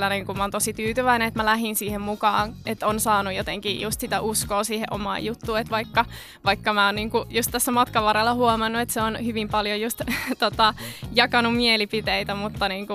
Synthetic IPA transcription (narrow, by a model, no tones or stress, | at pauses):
lːæneŋkumɑont̪osit̪yːt̪yʋæineet̪mælæɦinsiːhemmukɑːnʔet̪ːonsɑːnujot̪eŋkijust̪sit̪æʔuskoːsiːhḛʔomɑ̰ːjut̪ːuːet̪ʋɑikːɑ | ʋɑikːɑmæonniːŋkujust̪t̪æsːæmɑt̪kɑʋɑrɑlːɑhuomɑnːuet̪seonhyʋimpɑljojust̪t̪ot̪ɑjɑkɑnummielipit̪eit̪æmut̪ːɑniːŋku